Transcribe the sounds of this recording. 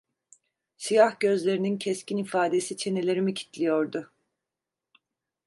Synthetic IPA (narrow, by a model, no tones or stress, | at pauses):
sijahɟø̞zlʲe̞ɾinincʰɛscʰinifaːd̪e̞sit͡ʃʰe̞nelʲe̞ɾimicʰi̥t̪lʲijoɾd̪ʊ